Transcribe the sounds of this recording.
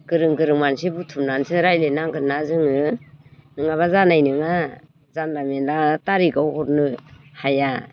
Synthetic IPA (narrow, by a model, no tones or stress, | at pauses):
kɯɾɯŋɡɯɾɯŋmansibutʰumnansiɾajlenaɡɯnazɯŋɯ | nɯŋaβazanajnɯŋa | zanːamenlataɾiɡawhɔɾnɯhaja